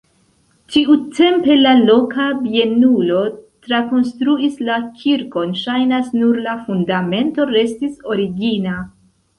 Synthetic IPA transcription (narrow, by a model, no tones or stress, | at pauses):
t͡ʃiutʰe̞mpe̞lalo̞kabie̞nulo̞tɾako̞nstɾuislakʲʰiɾko̞nʃajnasnuɾlafundame̞nto̞ɾe̞stiso̞ɾiɡina